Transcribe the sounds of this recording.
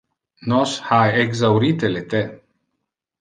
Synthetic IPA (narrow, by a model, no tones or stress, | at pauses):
noshajeɡzauɾit̪elet̪e